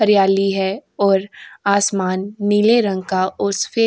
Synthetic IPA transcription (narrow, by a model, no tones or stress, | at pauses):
ɐɾijaːliɦɛɔːɾaːsmaːnːileɾɐ̃ŋɡ̚kaʊsfeː